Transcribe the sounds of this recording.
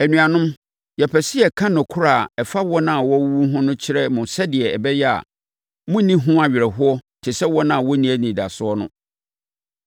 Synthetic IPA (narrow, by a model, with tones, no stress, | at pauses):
æ˨nũ˨ã˨nʊ̃˦m | jɛ˨pʰɛ˨sɪ˦ɛ˨kʰã˦nʊ̃˨kʰʊ˦ɾa˨ɛ˨fa˦wɔ˦nã˦a˨wɔ˦wu˦ɦʊ̃˦nʊ̃˦t͡ɕʰɪ˦ɾɛ˦mʊ̃˨sɛ˦dɪ˨ɛ˨ɛ˨bɛ˦jɛ˦a̰˨ | mʊ̃˦nĩ˦ɦʊ̃˦a˨ɥɪ˨ɾɛ˨ɦʊ˦ɔ˦tʰɪ˨sɛ˦wɔ˦nã˦a˨wɔ˦nĩ˦æ˦nĩ˨da̰˨sʊ˦ɔ˦nʊ̃˦